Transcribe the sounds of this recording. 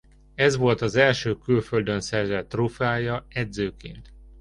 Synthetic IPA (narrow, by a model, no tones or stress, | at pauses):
ɛzʋo̞lt̪ɒzɛlʃøːkylføld̪ønsɛrzɛt̪rufaːjɒɛd̪zøːkḛːnt̪